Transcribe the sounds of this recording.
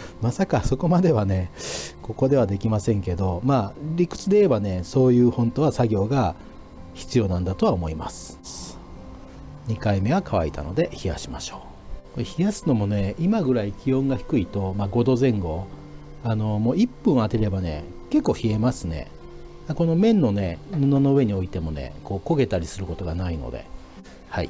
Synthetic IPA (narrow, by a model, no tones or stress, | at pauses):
masakaso̞ko̞mad̪e̞βane̞ko̞ko̞d̪e̞βad̪e̞kʲimasẽ̞ŋke̞d̪o̞maːɾʲikɯ̟̥t͡sɨd̪e̞iɾebane̞so̞ːjɯ̟ːhõ̞nt̪o̞βasaɡʲo̞ːɡa | çi̥t͡sɨjo̞ːnãnd̪at̪o̞βaomo̞ima̰sɨ̥ | ɲ̟ikaime̞ɡakaβa̰it̪a̰no̞̰d̪e̞çija̰ɕimaɕo̞ː | koeçijasɨ̥no̞mo̞ne̞imaɡɯ̟ɾaikʲiõ̞ŋɡaçi̥kɯ̟it̪o̞maɡo̞d̪o̞zẽ̞ŋɡo̞ | ano̞mo̞ːipːɯ̃ɰ̃at̪e̞ɾe̞bane̞ | ke̞kːo̞ːçie̞masɨne̞̰ | ako̞no̞mẽ̞nːo̞ne̞mononoɯ̟e̞ɲ̟io̞it̪e̞mo̞ne̞̰ko̞ːko̞ɡe̞t̪aɾʲisɨɾɯ̟ko̞t̪o̞ɡanaino̰d̪e̞̰ | haḭ